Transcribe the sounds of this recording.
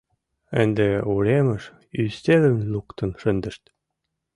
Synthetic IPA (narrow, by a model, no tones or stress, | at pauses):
ɘ̆nd̪euɾemɘ̆ʃ | yst̪elɘ̆mlukt̪ɤ̆nʃɘ̆nd̪ɘ̆ʃt̪